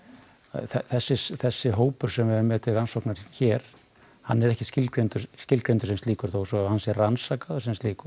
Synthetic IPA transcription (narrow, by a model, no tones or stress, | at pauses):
θɛθɛsːɪsθɛsːɪɦoːwpʏɾ̥sɛmɛvʏmɛːt̪ʰɪransowknaɾ̥çɛːɾ̥ | hanːɛɾɛhcɪ̥scɪlkɾejnt̪ʏɾscɪlkɾejnt̪ʏsɛmst̪liːkʏɾ̥θowsɔhansjɛɾransakaðʏsɛmst̪liːkʏ̥